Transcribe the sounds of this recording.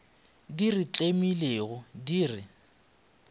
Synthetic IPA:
dirit͡ɬʼemileɣʊdiːrɪ

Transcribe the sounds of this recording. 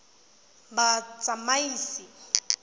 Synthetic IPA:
bat͡sʼamaiːsi

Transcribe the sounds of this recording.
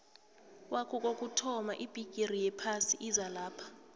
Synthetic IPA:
kʼwakʰɔk̬ʼok̬ʼutʰɔmaʔib̥ʼʱiɡ̥ʼirijɛpʰasiʔizalaːpʰḁ

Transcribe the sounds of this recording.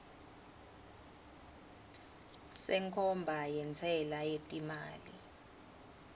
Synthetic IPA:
sɛŋkʰɔmbʱajɛnt͡sʰɛlajetʼimaːli

